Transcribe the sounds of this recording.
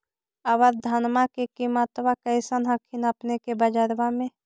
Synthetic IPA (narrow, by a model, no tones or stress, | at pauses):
əʋəɾd̪ʱənmakekimət̪ʋakəɪsənɦəkʰinəpnekebəd͡ʒəɾbamẽ